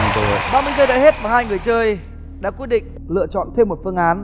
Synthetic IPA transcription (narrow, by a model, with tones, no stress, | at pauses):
o̰˧˨ɓaː˧mɨ˧əjt͡ɕəː˧jɗa̰ː˧˨jhe˦˥t̚vaː˨˩ɦaː˧jŋɨ˨˩əjt͡ɕəː˧j | ɗa̰ː˧˥kwt̚ɗḭ̈˧˨ŋ̟ | lɨ̰˧˨ət͡ɕɔ̰˧˨nt̪ʰe˧mːo˨˩t̚fɨ˧əŋʔaː˨˦n